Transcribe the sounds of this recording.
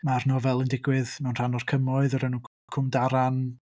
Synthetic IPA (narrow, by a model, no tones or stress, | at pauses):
marnɔvɛlˠɪndɪɡwɪðnɔnr̥anɔrkʰəmɔɨðɔɾɛnu | kʰʊmdaɾan